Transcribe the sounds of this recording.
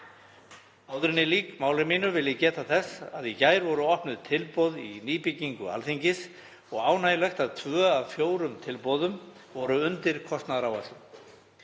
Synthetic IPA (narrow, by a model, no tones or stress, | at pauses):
aːwðɾɪnːɪliːkmaːwlɪmɪnʏvɪlːɪcɛːt̪aθɛsːaðicaːjɾvɔɾʏɔhpnʏðt̪ʰɪlpɔwðiniːpɪcːiŋkʏa̰lθiɲcɪs | ɔɣaːwnaːjlɛxt̪aðt̪ʰvœːavfjoːwɾʏmt̪ʰɪlpɔðʏm | vɔɾʏʏnt̪ɪɾ̥kʰɔst̪naðɾawasʏ